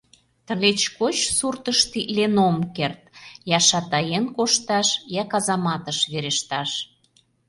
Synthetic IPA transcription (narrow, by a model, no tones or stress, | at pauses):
t̪ə̆let͡ɕkot͡ɕsurt̪əʃt̪ilenomkert̪̚jɑʃɑt̪ɑjenkoʃt̪ɑʃjɑkɑzɑmɑt̪əʃβeɾeʃt̪ɑʃ